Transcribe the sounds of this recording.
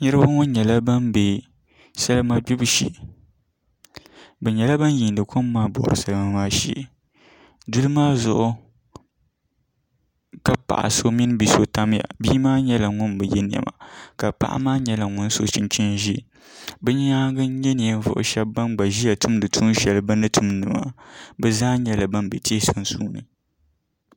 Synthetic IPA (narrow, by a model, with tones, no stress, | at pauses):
ɲɨ˦ɾɨ˦ba˦ŋʊ˦n˦ɲɛ˨la˦ba˦nbe˨ | sa˦lɨ˦ma˦bi˦bɨ˦ʃḭ˦˨ | bɛ˨ɲɛ˨la˦ba˦nji˨n˨dɨ˨ko˦mː˦aː˦bɔ̰˨ɾɨ˨sa˦lɨ˦ma˦maː˦ʃḭ˦ʔ | du˦lɨ˦maː˦zʊ˨ʔʊ˦ | ka˦pa̰˨ʔa̰˨so˦mi˦n˦bi˨so˦ta˦mja̰˨biː˦maː˦ɲɛ˦la˨ŋʊ˦nbɨ˨jɛ˦nɪ˨jɛ̰˨ma̰˨ka˨pa̰˦ʔa̰˦maː˦ɲɛ˦la˨ŋʊ˦n˦so˨t͡ʃi˦nt͡ʃi˦nʒi˦˨ | bɛ˦ɲ˦a˦ɡɨ˦ɲɛ˦n˨ja˨m˦vʊ̰˨ʔʊ̰˨ʃɛ˦bːa˦nɡ͡ba˨ʒi˦ja˨tʊ˦mdɨ˨tʰu˦n˦ʃɛ˨lbɨ˦nɨ˦tʰu˦mnɨ˨ma̰˨bɛ˦zaː˦ɲɛ˦la˨ba˦nbɛ˨tʰe˦so˦n˦suː˦nɨ̰˨